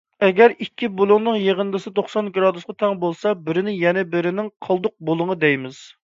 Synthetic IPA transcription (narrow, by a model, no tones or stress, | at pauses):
ɛɡʲɛɾikʲːibulˠʊŋnɨŋjeʁənd̪ɨsɨt̪oχsɑnɡɾɑd̪usqʰɑt̪ʰɛŋbolˠsɑbɪɾɪnɪjɛnɛbɪɾɪnɪŋqʰəlˠd̪ʊq̚bolˠʊŋəd̪ɛjmɪz̥